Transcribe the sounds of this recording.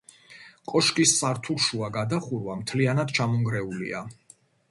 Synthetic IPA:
kʼɔʃkʼisːaɾt̪ʰuɾʃuaɡad̪aχuɾwamt̪ʰlianad̪̥t͡ʃʰamɔŋɡɾɛulḭa

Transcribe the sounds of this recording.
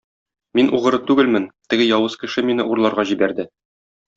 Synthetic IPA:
minʔuʁɤ̆ɾɤt̪ʉɡɘlmɘnt̪ɘ̆ɡɘjɒwɤz̥kɘ̆ʃɘminɘʔuɾlˠɑɾʁɑʑibæɾd̪ɘ

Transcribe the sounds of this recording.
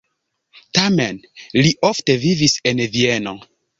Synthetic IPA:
tamenliʔofte̞vivisenvieno

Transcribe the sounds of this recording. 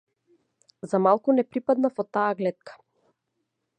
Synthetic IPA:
zamalˠkunɛpɾipad̪nafɔt̪ːaːɡlɛt̪̚kʰḁ

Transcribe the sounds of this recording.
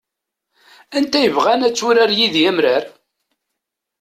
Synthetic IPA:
ænt̪æjəvʁænæt͡sːʊɾaɾjiðjæmɾaɾ

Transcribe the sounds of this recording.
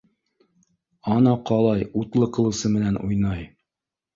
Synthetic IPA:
ɑnɑqɑlˠɑjut̪lˠɤqɤ̆lˠɤ̆wsɤmɘ̆nænʔṵjnɑj

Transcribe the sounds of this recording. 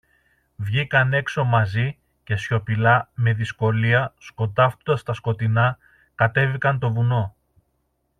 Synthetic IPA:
vʝikɐne̞kso̞mɐzi | ce̞sço̞pilɐme̞ðisko̞liɐsko̞t̪ɐft̪ond̪ɐst̪ɐsko̞t̪inɐ | kɐt̪e̞vikɐnt̪o̞vuno̞

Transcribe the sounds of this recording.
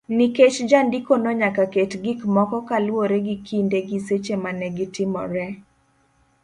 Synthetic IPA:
niket͡ʃd͡ʒandikonɔɲakaketɡikmɔkɔkalwoɾeɡikindeɡiset͡ʃemanɛɡɪtɪmɔ̰ɾɛ

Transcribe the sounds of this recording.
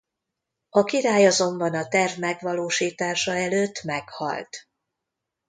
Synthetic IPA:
ɒkiɾaːjɒzo̞mbɒnɒt̪ɛrvmɛɡʋɒloːʃiːt̪aːʃɒɛløːt̪ːmɛkhɒ̰lt̪

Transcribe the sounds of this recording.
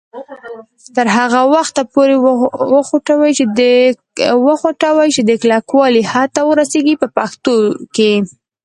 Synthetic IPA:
t̪əɾɦaɣawaxt̪apoɾewəxoʈawajt͡ʃed̪ə | wəxoʈawajt͡ʃed̪əklɑkwɑlihat̪awəɾaseɡipəpaxt̪oke

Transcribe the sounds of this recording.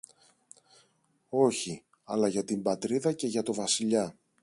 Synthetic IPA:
o̞çi | ɐ̰lɐʝɐt̪imbɐt̪ɾiðɐce̞ʝɐt̪o̞vɐsiʎɐ

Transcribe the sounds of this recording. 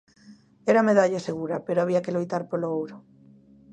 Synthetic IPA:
eɾameðaʎaseɣ̞uɾapeɾoaβiakelojt̪aɾpoloowɾo

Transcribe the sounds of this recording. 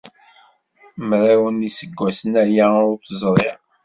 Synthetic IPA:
mɾæwənisəɡʷːæsənæjæʊθəzˤɾˤeɾ

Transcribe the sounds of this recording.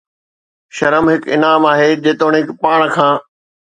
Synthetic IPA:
ʃɐɾəmɦɪkɪ̰naːmaːɦeːd͡ʑeːt̪oːɽ̃ɦɪkpaːɽ̃kʰãː

